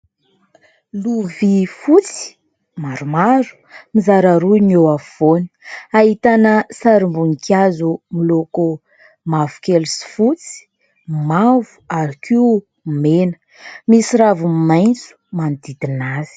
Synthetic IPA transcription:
luvifut͡si̥ | maɾumaɾu̥mizaɾaɾunewavoni̥aɦit̪anəsaɾimbuŋikʲjazumiloku | mavu̥kelusi̥fut͡si̥ | mavu̥aɾakiu | menə̥ | misiɾavumimajnt͡su̥manid̪id̪inaz̥i̥

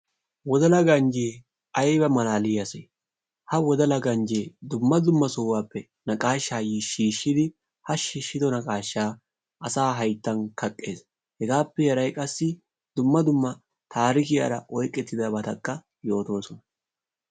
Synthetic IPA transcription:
wɔd̪ɐlɐɡɐnd͡ʒeː | ɐjbɐmɐlaːlɪjɐsɛj | hɐwɔd̪ɐlɐɡɐnd͡ʒeːd̪ʊmːɐd̪ʊmːɐsɔwːaːpːɛ | nɐkʼaːʃːaːjiʃiːʃːɪd̪ɪ | hɐʃiːʃːɪd̪ɔnɐkʼaːʃːaː | ʔɐsaːɦɐjt̪ːɐnkɐkʼːe̞ːs | hɛɡaːpːɛjɛɾɐjkʼɐsːɪ | d̪ʊmːɐd̪ʊmːɐ | t̪ʰaːɾɪkɪja̰ɾɐʔɔjkʼːɛt̪ːɪd̪ɐbɐt̪ɐkʼːɐ | jo̞ːt̪o̞ːsɔnɐ̥

